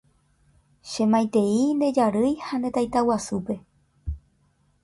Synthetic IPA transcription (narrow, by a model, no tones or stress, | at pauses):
ʃẽ̞mãj̃t̪e̞ind̪e̞d͡ʒaɾɨjhand̪e̞t̪ajt̪awasupe̞